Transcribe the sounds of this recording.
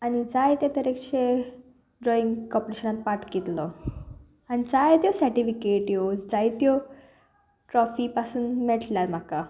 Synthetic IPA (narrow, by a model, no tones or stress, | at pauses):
añid͡zajt̪jat̪əɾekɕe | ɖɾɔiŋɡkɔpɾeɕənat̪̚paʈkit̪lɔ | añid͡zajt̪jɔsəɾʈifikeʈjod͡zajt̪jɔ | ʈɾɔfipasuːnmɛɭʈljaɾm̤aka